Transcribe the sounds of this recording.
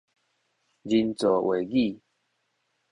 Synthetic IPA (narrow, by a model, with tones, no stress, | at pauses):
d͡ʑi˧nt͡so˨˩we˨˩ɡi˥˧˨